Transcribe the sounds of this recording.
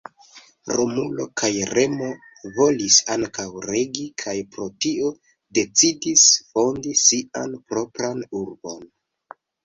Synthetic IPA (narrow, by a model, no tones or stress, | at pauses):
ɾʔomulo̞̰kʰajɾe̞mo̞ | vo̞lisaŋkawɾe̞ɡikʰajpɾo̞tio̞ | de̞t͡sidisfo̞ndisianpɾo̞pɾanuɾbo̞n